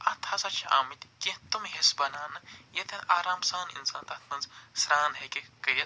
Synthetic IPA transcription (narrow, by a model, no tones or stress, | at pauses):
ɐt̪ʰasɐt͡ʃʰa̰ːmit̪kĩt̪umɦisbɐnaːnɨjet̪ʰɐaːɾaːmsaːnḭnsaːnt̪ɐt̪ʰmɐnzsɾaːnɦekekəjɐ